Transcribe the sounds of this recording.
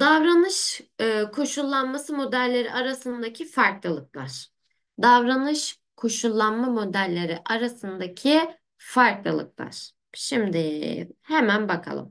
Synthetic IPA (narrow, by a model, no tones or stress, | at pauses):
d̪avɾanɯʃɯkʰo̞ʃulˠːanmasɯmo̞d̪ælʲːe̞ɾḭʔaɾasɯnd̪acʰifaɾklˠɯlˠɯk̚lˠaɾ̥ | d̪avɾanɯʃ | kʰo̞ʃulˠːanmamo̞d̪ælʲːeɾiʔaɾasɯnd̪acʰi | faɾklˠɯ̰lˠɯ̰k̚lˠa̰ɾ̥ | ʃimd̪ɪhemænbakʰa̰lˠɯ̰m